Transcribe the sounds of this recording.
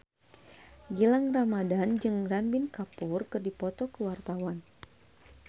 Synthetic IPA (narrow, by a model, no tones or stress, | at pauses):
ɡilaŋramadand͡ʒɨŋranbɪnkapurkɨrdipɔt̪ɔkəwart̪awan